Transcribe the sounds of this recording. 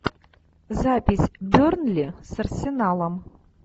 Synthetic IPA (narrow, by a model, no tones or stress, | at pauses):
zapʲisʲbɵɾnlʲesɨrsʲenɑlˠɑm